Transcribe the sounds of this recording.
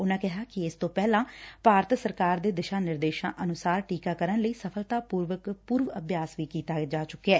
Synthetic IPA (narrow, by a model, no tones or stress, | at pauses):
ʊnãːkɪɦaːkɪɪst̪õːpɛːlãːpaːɾt̪səɾkaːɾd̪eːd̪ɪʃãːnɪɾd̪eːʃãːʔənʊsaːɾʈiːkaːkəɾənləiːsəpʰəlt̪aːpuːɾʋəkpuːɾʋəbjaːsʋiːkiːt̪aːd͡ʒaːt͡ʃʊkːeɛː